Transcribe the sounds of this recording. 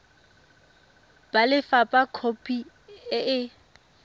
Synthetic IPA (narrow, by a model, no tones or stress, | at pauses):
b̥alɪfapʼakʰopʼi | ɪʔɪ